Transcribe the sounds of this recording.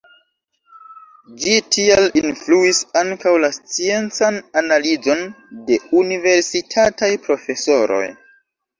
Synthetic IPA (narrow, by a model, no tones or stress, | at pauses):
d͡ʒitʰialinfluisaŋkawlast͡sie̞nt͡sananalizo̞n | de̞unive̞ɾsitʰatajpɾo̞fe̞so̞ɾo̞̰j